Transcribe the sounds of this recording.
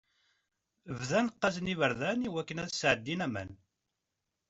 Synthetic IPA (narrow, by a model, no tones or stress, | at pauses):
əvðænqːɑznivəɾðæniwækːənæðsʕəd̪ːinæmæ̰n